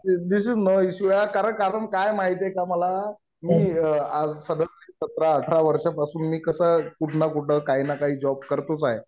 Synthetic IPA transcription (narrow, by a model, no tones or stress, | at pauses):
d̪isid͡znəiɕuakaɾəɳkaɾəɳkajmaɦit̪ekaməla | miːad͡zsəd̪ʱəsisət̪ɾaəʈʰɾaʋəɾʂapasuːnmiːkəsəːkuʈʰnakuʈnəkaɦiːnakaɦiːd͡zɔb̚kəɾt̪uːt͡saɦe